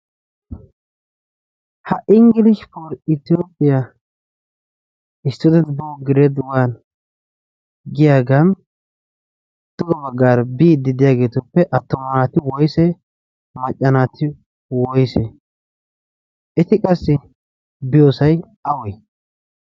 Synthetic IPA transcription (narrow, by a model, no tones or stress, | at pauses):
hɐʔɪŋɡɪlɪʃpoɾɪt̪ɪjoːpʼːɪja | ɪst̪ːɔd̪ɛt̪bɔɡɪɾed̪ʊwaːn | ɡɪjaːɡɐn | d̪̥ʊɡɔbɐɡːaːɾbiːd̪ɪd̪ɪjaːɡeːt̪ʊpːɛʔɐt̪ːɔmɐnaːt̪ɪwɔjsɛ | mɐt͡ʃʼːɐnaːt̪ʰɪ | wɔjsɛ | ɛt̪ɪkʼɐsːɪ | bɪjoːsɐj | ɐwɔj